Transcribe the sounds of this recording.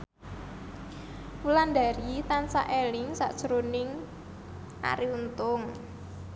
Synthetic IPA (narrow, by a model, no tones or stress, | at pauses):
wulanda̤ɾit̪ansa̰ʔelɪŋsa̰ʔd̥ʒ̥əɾonɪŋ | ʔa̰ɾiunt̪ʊŋ